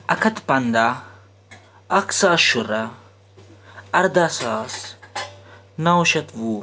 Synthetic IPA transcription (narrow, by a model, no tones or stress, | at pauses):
ɐkʰɐt̪pɐnd̪a | ɐksaːʃuɾa | ɐɾd̪asaːs | nauʃɐt̪ʋu